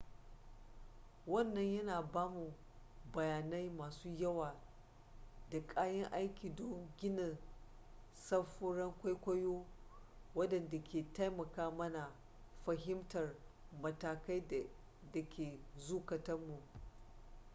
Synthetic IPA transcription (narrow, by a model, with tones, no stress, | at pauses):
wɐ˦˨nːɐ˦ɲjɐ˦naː˨baː˦mu˨ | bɐ˨jaː˨na˦jmaː˨suː˦jɐ˦waː˨ | da˨kʼaː˦jɐ˦ŋʔa˦jkʲiː˨dɔ˦ŋɡʲɪ˦nɐ˨n | sɐ˦ɸʊ˦ɽɐ˦ŋkʷa˦jkʷɐ˦joː˦ | wɐ˦dɐ˨nda˨kʲʰeː˨ta˦jmɐ˨kaː˦mɐ˦na˨ | ɸɐ˨ɦɪ˦mtɐ˨rmɐ˨taː˨ka˦j | dɐ˨kʲʰeː˨zuː˦kɐ˨tɐ˦mːu˨ʔ